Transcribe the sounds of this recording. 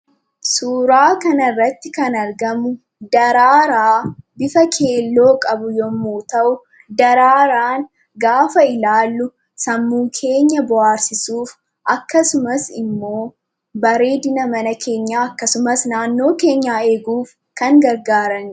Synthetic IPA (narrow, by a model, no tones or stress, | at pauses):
suːɾaːkɐnɐrːɐt̪ːɪkɐnɐɾɡɐmʊ | d̪ɐɾaːɾaːbɪfɐkʰe̞ːlːo̞ːkʼɐbʊjɔmːuːt̪ɐʔʊ | d̪ɐɾaːɾaːn | ɡaːfɐɪlaːlːʊ | sɐmːuːkʰe̞ːɲːɐbʊaːɾsɪsuːf | ʔɐkːɐsʊmɐsɪ̰mːo̞ː | bɐɾe̞ːd̪ɪnɐmɐnɐkʰe̞ːɲːaːɐkːɐsʊmɐsnaːnːo̞ːke̞ːɲːaːe̞ːɡuːf | kɐŋɡɐɾɡaːɾɐŋ